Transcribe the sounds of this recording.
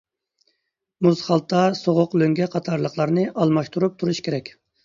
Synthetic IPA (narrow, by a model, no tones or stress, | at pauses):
muzχɑlˠt̪ʰːɑsoʁʊqløŋɡʲɛqʰɑt̪ʰɑɾlˠəχlˠɑɾnɨʔɑlˠmɑʃt̪ʰuɾup̚t̪ʰuɾuʃkʲʰeɾɛkʲ